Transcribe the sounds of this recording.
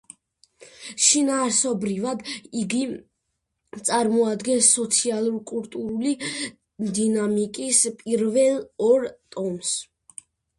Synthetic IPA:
ʃinaːɾsɔbɾivad̪iɡi | t̪sʼaɾmɔad̪ɡɛnsːɔt̪sʰialˠuɾkʼulˠt̪ʼuɾuli | d̪inamikʼispʼiɾvɛlˠɔɾt̪ʼɔms

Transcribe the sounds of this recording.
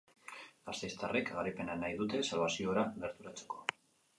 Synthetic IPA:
asajst̪arekɣaɾijpe̞nanajðut̪e̞salβ̞asio̞ɾaɡe̞ɾt̪uɾat͡se̞̥ko̞

